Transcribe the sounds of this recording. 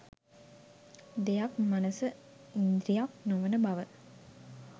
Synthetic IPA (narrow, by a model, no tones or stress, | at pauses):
d̪ejakmanəsə | ind̪ɾijak̚noʋənəbaʋə